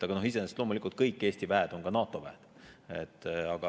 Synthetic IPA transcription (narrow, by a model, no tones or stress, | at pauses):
t̪ɑɡ̥ɑno̞hise̞nest̪lo̞mulikult̪̚kɤjkːˑeːst̪ivæed̪̥o̞nɡ̥ɑnɑːt̪ːˑo̞væed̪̥ | ḛt̪ːɑɡ̥ɑ